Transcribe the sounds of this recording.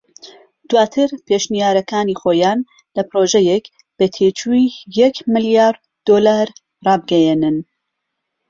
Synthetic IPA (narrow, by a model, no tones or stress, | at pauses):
d̪̥waːt̪ʰɨɾpʰeʃnijaːɾɐkaːnixoːjaːn | lɐpɾoʒɛjek | b̥ɐt̪ʰet͡ʃʰuijɛkmɨljaːɾ | d̪̥olaːɾ | rɑːbɨɡɛjenɨn